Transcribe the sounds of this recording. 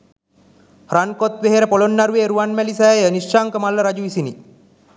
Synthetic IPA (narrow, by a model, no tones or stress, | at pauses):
ɾankot̪ʋeɦeɾəpolonːaɾuʋeːɾuʋanmælisajjəniʂːaŋkəmalːəɾad͡ʒuʋisini